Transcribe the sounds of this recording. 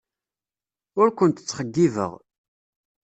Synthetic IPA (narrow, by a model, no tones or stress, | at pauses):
ʊɾkʷənt̪ə̥t͡sːχəɡːivə̰ʁ